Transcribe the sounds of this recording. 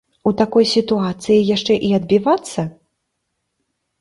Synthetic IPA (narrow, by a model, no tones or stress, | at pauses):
ut̪akɔjsʲit̪uat̪sɨjijaʂt͡ʂɛʔiɐd̪̚bʲivat̪sːɐ